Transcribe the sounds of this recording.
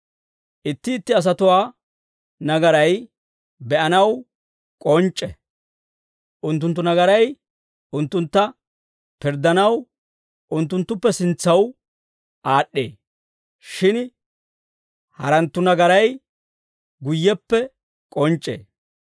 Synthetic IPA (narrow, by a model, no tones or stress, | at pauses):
ʔɪt̪ːɪːt̪ːɪɐs̬ɐt̪ʊwaː | nɐɡɐɾɐj | bɛʔɐnɐw | kʼɔnt͡ʃʼːɛ̰ | ʔʊnt̪ːʊnt̪ːʊnɐɡɐɾɐj | ʊnt̪ːʊnt̪ːɐ | pɪɾd̪ɐnɐw | ʔʊnt̪ːʊnt̪ːʊpːɛsɪnt͡sːɐw | ʔaːɗːḛː | ʃɪn | hɐɾɐnt̪ːʊnɐɡɐɾɐj | ɡʊjːɛpːɛ | kʼɔnt͡ʃʼːḛː